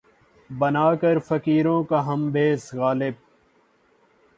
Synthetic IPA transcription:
bɐnaːkɐɾfɐkiːɾõːkaɦɐmbeːsɣaːlɪb̚

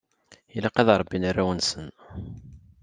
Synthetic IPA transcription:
ilæqæðɾˤbːinarːæwənsən

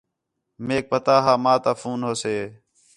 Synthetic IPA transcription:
meːk̚pət̪aːɦaːmaːt̪aːfuːnɦoːseː

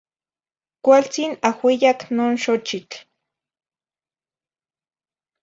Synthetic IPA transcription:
kʷalt͡sinahwijaknoːnʃot͡ʃit͡ɬ

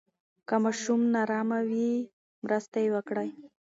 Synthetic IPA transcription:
kamɑʃumnɑɾɑmawi | mɾəst̪ajewəkɽaj

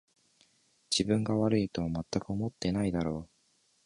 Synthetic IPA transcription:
d͡ʑibɯ̟̃ŋɡaβaɾɯ̟it̪o̞βamat̪ːakɯ̟o̞mo̞t̪ːe̞naid̪aɾo̞ː

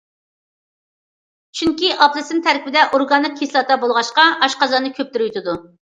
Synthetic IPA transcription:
t͡ʃʰyŋkʲiʔɑplˠɨsɨnt̪ʰæɾkʲibɪd̪ɛʔoɾɡɑnːɨq̚kʰʲeslˠɑt̪ɑbolˠʁɑʃqɑɑʃqɑzɑnɨkʲʰøp̚t̪yɾyt̪ʰɨd̪u

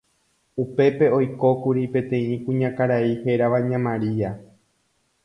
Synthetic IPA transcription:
upe̞pe̞o̞jko̞kuɾipẽ̞t̪ẽ̞ĩkũɲãkaɾaihe̞ɾaʋaɲãmãɾia

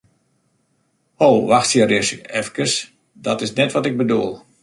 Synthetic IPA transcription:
howʋaxtsjərɪsɛfkəs | dɔtɪsnɛtʋɔtɪɡ̚bəduəlˠ

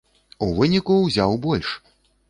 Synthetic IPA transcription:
uvɨnʲikuwzʲawbɔlʲʂ

